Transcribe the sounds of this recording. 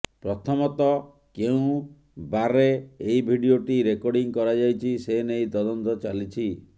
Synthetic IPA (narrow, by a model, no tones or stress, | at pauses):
pɾɔt̪ʰɔmɔt̪ɔ | keũ | baɾeːjbʱiɖioʈiɾekɔɾɽiŋkɔɾad͡ʒajt͡ʃʰisenejt̪ɔd̪ɔnt̪ɔt͡ʃalit͡ʃʰi